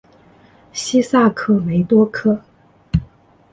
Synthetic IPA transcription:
ɕi˥sa˥˩kʰɤ˥me˧˥ɪt̪wɔ˥kʰɤ˥

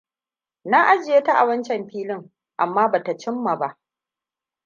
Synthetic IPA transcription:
naː˦ʔa˦d͡ʒɪ˨jeː˦ta˦ʔa̰˨wɐ˦nt͡ʃɛ˨mɸiː˦lɪ˦ŋ | ʔa˨mːaː˦baː˨ta˨t͡ʃɪ˦mːa˨ba˦ʔ

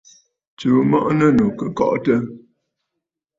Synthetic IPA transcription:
t͡ʃuː˨˦mɔ̰˦ʔnə˦nu˨kə˨kɔ̰˦ʔtə˦

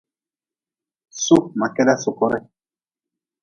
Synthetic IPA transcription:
su˦ma˨kɛ˦la˦su˨kɔ˦ɾɛ˦

